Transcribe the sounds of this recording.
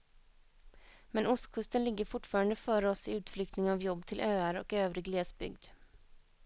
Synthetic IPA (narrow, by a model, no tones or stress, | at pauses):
mɛnʊst̪kʰɵst̪ənlɪɡːəɾfʊʈfɑːɾand̪əfœːɾɔsɪʉ̟ːt̪flʏkt̪nɪŋavjɔbːt̪ʰɪlʔøːaɾɔ̰køːvɾɪɡleːsbʏ̰ɡd̪